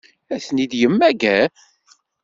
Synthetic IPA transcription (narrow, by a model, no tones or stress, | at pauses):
æθnid̪jəmːæɡæ